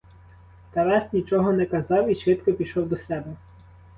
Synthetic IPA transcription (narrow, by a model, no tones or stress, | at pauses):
t̪ɛɾɑsnʲit͡ʃɔɦɔnɛkɐzɑwiʃʋɪt̪kɔpʲiʃɔwd̪ɔsɛbɛ